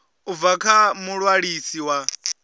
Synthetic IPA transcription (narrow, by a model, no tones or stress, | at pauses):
ubvakʰamuɺwaɺisiwa